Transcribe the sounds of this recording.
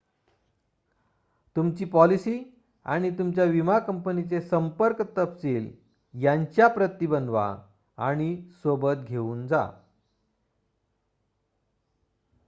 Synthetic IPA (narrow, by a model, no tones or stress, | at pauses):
t̪umt͡ɕiːpɔlisiː | a̰ɽ̃it̪umt͡ɕjaʋimakəmpənit͡sesəmpəɾkt̪əpsiːl | jaɲt͡ɕjapɾət̪ːibənʋa̰ | aɽ̃isobət̪̚ɡʱeuːnd͡za̰